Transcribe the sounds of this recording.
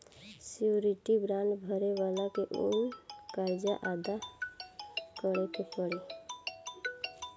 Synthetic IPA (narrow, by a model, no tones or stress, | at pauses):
siuɾiʈibɾanɖbʱəɾeʋalakeʔṵnkaɾd͡ʒjaʔad̪a | kəɽekepəɽe